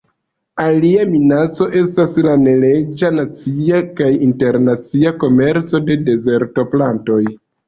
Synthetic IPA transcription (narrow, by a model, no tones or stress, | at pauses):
aliaminat͡so̞ʔe̞staslane̞le̞d͡ʒanat͡siakajinte̞ɾnat͡siako̞me̞ɾt͡so̞de̞de̞ze̞ɾto̞planto̞j